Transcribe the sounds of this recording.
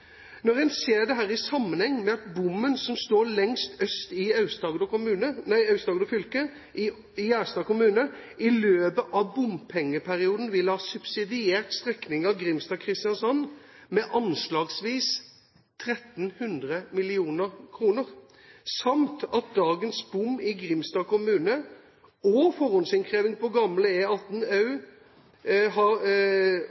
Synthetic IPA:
nɔɾɛnseːd̪ɛɦæːɾɪsɑmːənhɛŋːmɛɑt̪̚bʊmːənsɔmst̪oːɾlɛŋst̪œst̪ɪɑʉst̪ɑɡd̪ɔkʊmʉːnənæɪɑʉst̪ɑːɡd̪ɔfʏlkə | ɪæːst̪ɑːkʊmʉːnə | ʔɪløːbəʔɑʋbʊmpʰɛŋːəpʰæɾɪuːd̪n̩ʋɪlːhɑːsʉb̥sɪd̪ɪeːt̪st̪ʁɛknɪŋɑʋɡɾɪmst̪ɑːkʰɾɪst̪ɪɑnsɔn | mɛʔɑnslɑːɡsʋiːs | t̪ʰɾɛt̪n̩hʉnd̪ɾəmɪlɪuːnəɾkʰɾuːnəɾ | sɑmt̪ɑt̪̚d̪ɑːɡənsbʊmːɪɡɾɪmst̪ɑːkʊmʉːnə | ɔfɔɾɔnsɪnkʰʁeːʋɪŋpɔɡɑmləeːɑt̪nɑʉ | ɦɑ

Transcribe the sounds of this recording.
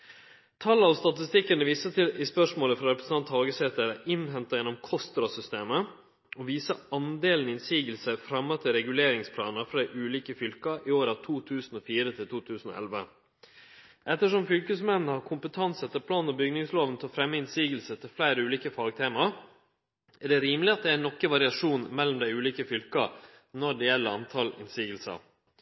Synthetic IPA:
t̪ʰɑlɑʋst̪ɑt̪ɪst̪ɪkːənəʋiːsət̪ɪlɪspœʂmoːləfɾɑɾɛpɾəsn̩ɑnt̪hɑːɡəsɛt̪əɾɛʔɪnɦɛnt̪ɑjɛnɔmkʰɔst̪ɾɑsʏst̪eːmə | ɔʋiːsəɑnd̪eːln̩ɪnsiːɡəlsəfɾɑmːɑt̪ʰɪlɾɛɡʉleːɾɪŋspʰlɑːnəfɾɑʔʉːliːkəfʏlkɑʔɪoːɾɑʋt̪ʰuːt̪ʰʉːsn̩oːfiːɾət̪ʰɪlt̪uːt̪ʰʉːsn̩o̰ːʔɛ̰lʋə | ʔɛt̪ːəʂɔmfʏlkəsmɛnːəhɑɾkʰʊmpət̪ʰɑnsɛt̪ːəpʰlɑːnɔbʏɡnɪŋsloːʋənt̪ʰɛɔfɾɛmːəɪnsiːɡəlsət̪ʰɪlflæɪɾəʉːliːkəfɑːɡt̪ʰeːmɑ | æɖɛɾiːmlɪɑt̪̚d̪ɛænɔkːəʋɑɾɪɑʂuːnmɛlːɔmd̪æɪʉːliːkəfʏlkɑ | nɔɖɛjɛlːəɑnt̪ʰɑlɪ̰nsiːɡəlsɑ̰

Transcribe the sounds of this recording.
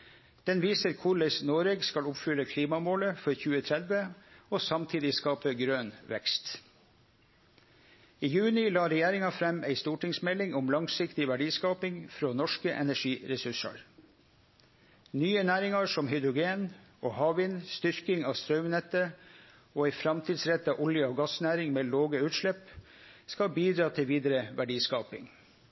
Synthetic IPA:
d̪̥ɛnʋiːsəɾkʰʊɭɛɪsnoːɾeɡskɑlʊpfʏləkʰliːmɑmoːləfɔɾçʉːət̪ʰɾɛd̪ʋəoːsɑmt̪ʰiːd̪ɪskɑːpəɡɾøːnʋɛ̰kst̪ | iːjʉːnɪlɑːɾɛjeːɾɪŋɑfɾɛmeɪst̪uːʈɪŋsmɛlɪŋʊmlɑŋsɪkt̪ɪʋæɖiːskɑːpɪŋfɾoːnɔʂkəʔɛ̰næʂiːɾɛsʉʂɑ̰ɾ | nyːənæːɾɪŋɑʂɔmhʏd̪ɾʊɡeːn | oːhɑːʋɪnst̪ʏɾkɪŋɑːst̪ɾœʉmnɛt̪ːə | oːɛɪfɾɑmt̪ʰiːd̪sɾɛt̪ːɑːʔɔljəoːɡɑsnæːɾɪŋmeːloːɡəʉːt̪ʂɭɛp | skɑlbiːd̪ɾɑːt̪ʰɪlʋiːd̪əɾəʋæɖiːskɑːpɪ̰ŋ

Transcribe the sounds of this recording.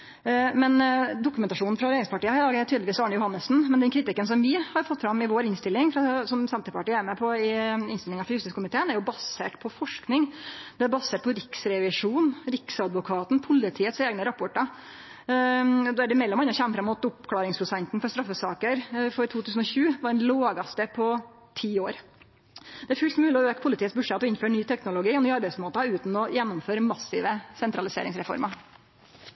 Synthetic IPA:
mɛnd̪ʊkʉmɛnt̪ɑʂuːnn̩fɾɑɾeːɾɪŋspʰɑʈiːəhɑɾlɑːɡəjæt̪yːd̪ləʋiːsɑːɳəjʊhɑnːəsn̩mɛnd̪ɛnkʰɾɪt̪ɪkːənsɔmʋɪhɑɾfɔt̪ːfɾɑmːɪʋoːɾɪnst̪ɪlːɪŋfɾɑsɔmsɛmt̪əpʰɑʈiːæɾmɛpʰɔɪɪnst̪ɪlɪŋɑfɾɑjʉst̪ɪskʰʊmɪt̪ʰeːnæɾjʊbɑsḛːʈpʰɔfɔʂknɪŋd̪̥ɛæɾbɑseːʈ̚pʰɔɾɪksɾɛʋɪʂuːnɾɪksɑd̪ʋʊkʰɑːt̪n̩pʰʊlːɪt̪ʰiːət̪seːɡnəɾɑpʰɔʈəɾ | d̪oːæɖɛmɛlːɔmɑnːɑçɛmːfɾɑmːʊt̪ʊpkʰlɑːɾɪŋspʰɾʊsɛnt̪n̩fɔɾst̪ɾɑfːəsɑːkəɾfɔɾt̪ʰuːt̪ʰʉːsn̩ɔçʉːʋɑɖɛnloːɡɑst̪əpʰɔ | t̪ʰiːoːɾ | d̪ɛæɾfʉːlt̪mʉːlɪɔøːkpʰʊlɪt̪iːət̪sbʉɖʂɛt̪ːɔɪnføːɳyːt̪ʰɛknʊlʊɡiːɔnyːɑɾbæɪsmoːt̪ɑʉːt̪n̩ɔjɛnːɔmføːɾmɑsɪʋəsɛnt̪ɾɑlɪsḛːɾɪŋsɾɛfɔ̰ɾmɑ

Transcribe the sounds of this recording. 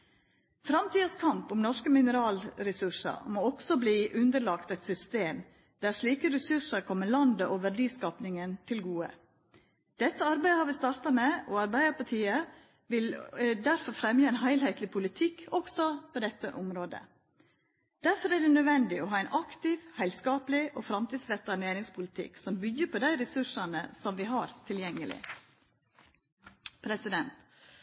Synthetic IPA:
fɾɑmt̪ʰiːɑskʰɑmpʊmnɔʂkəmɪnəɾɑːlɾɛsʉʂə̰ɾmoːɔɡsɔbliːʔʉnd̪əɭɑkt̪æɪt̪sʏst̪eːm | d̪̥æɾʂɭiːkəɾɛsʉʂəɾkʰɔmːəɭɑnd̪əʔoʋæɖiːskɑːpnɪŋənt̪ʰɪlɡuːə̰ | d̪̥ɛt̪ːəɑɾbæɪəhɑːɾʋɪst̪ɑːɾt̪ɑmeɔɑɾbæɪəɾpɑʈʰiːə | ʋɪld̪æɾfɔɾfɾɛmjəɛɪnɦæɪlhɛɪt̪lɪpʰʊlɪt̪ʰɪkːɔksɔpʰoːd̪ɛt̪ːə̰ʔʊmɾoːd̪ə̰ | d̪̥æɾfɔɾæɖ̪ɛnœʋɛnd̪ɪɔɦɑːæɪnʔɑkt̪ɪʋhæɪlskɑːpəlɪʔoːfɾɑmt̪iːd̪sʋɛt̪ɑneːɾɪŋspʰʊlɪt̪ʰɪ̰ksɔmbʏɡːəpʰoːd̪æɪɾɛsʉʂɑnə̰sɔmʋɪɦɑːɾt̪ʰɪljɛŋːəlɪ̰ | pʰɾɛsɪd̪ɛnt̪

